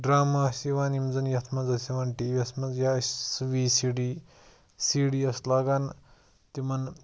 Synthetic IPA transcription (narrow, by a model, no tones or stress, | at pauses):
ɖɾaːmaɐsiʋaːnimd͡zɐnjɐt̪ʰmɐzɐsiʋaːnʈiːʋiɐsmɐzjassʋiːsiɽiː | siɽiɐslaɡaːn | t̪imɐn